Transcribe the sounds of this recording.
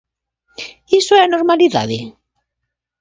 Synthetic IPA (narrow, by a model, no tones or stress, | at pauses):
isoɛanoɾmaliða̰ðḛ